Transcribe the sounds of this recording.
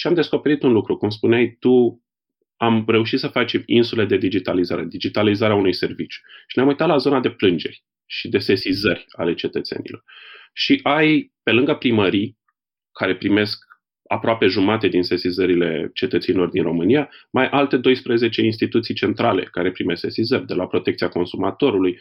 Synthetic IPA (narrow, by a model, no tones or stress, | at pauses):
ʃiamd̪e̞sko̞pe̞ɾit̪unlukɾukumspuneajt̪u | amre̞uʃ̬it̪səfat͡ʃʲinsule̞d̪e̞d̪id͡ʒit̪alizaɾed̪id͡ʒit̪alizaɾeaunujse̞rvit͡ʃju̥ʃineamujt̪at̪lazo̞nad̪e̞plɨnd͡ʒe̞̰rʲ | ʃid̪e̞se̞sizərʲa̰le̞t͡ʃe̞t̪ət̪se̞̰nḭlo̞̰rʃiʔajpe̞lɨŋɡəpɾiməɾij | kʰːaɾe̞pɾime̞sk̚ | a̰pɾoape̞ʒumat̪e̞d̪inse̞sizəɾile̞̰t͡ʃe̞t̪ət̪senilo̞rd̪inro̞mɨnijamajʔalt̪e̞d̪o̞jspɾeze̞t͡ʃe̞ins̬t̪it̪ut̪sijt͡ʃe̞nt̪ɾale̞̰kaɾe̞pɾime̞se̞sizərʲd̪e̞lapɾo̞t̪ekt̪siako̞nsumat̪o̞ɾuluj